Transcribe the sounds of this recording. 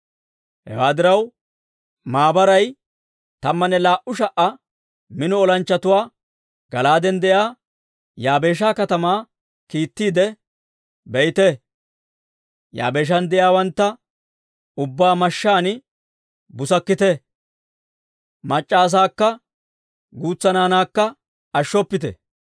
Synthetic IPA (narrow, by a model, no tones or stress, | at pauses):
hɛ̰waːd̪ɪɾɐw | maːbɐɾɐj | t̪ɐmːɐnɛlaːʔʊʃɐʔɐ | mɪnɔɔlɐnt͡ʃːɐt̪ʊwaː | ɡ̥ɐlaːd̪ɛnd̪ɛjaː | jaːbe̞ːʃ̬aːkɐt̪ɐmaː | kiːt̪ːiːd̪ɛ | bɛjt̪ɛ | ja̰ːbe̞ːʃ̬ɐnd̪ɛjaːwɐnt̪ːɐ | ʊbːaːmɐʃːaːnɪ | bʊsɐkːɪt̪ɛ | mɐt͡ʃʼːaːs̬aːkːɐ | ɡuːt͡sːɐnaːnaːkːɐ | ɐʃːɔpːɪt̪ɛ̰